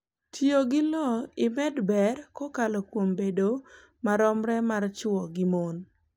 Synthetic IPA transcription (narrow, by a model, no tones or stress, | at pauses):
tʰjoɡɪlɔɪmɛdbɛɾkɔkalɔkwombedo | maɾɔmɾɛmart͡ʃʊɔɡɪmon